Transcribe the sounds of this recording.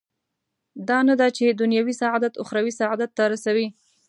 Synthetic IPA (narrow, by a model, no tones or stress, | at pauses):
d̪ɑnad̪at͡ʃed̪ʊnjɑwisaʕɑd̪at̪ʊxɾawisaʕad̪at̪ːaɾasawi